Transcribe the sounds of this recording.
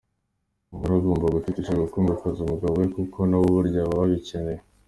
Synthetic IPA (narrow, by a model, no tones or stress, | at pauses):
muɾazuːmbaɡufitiʃeɡukuːmbakazumuɡaβwekukʰo̞nawoβuɾɟaβaβaɡicene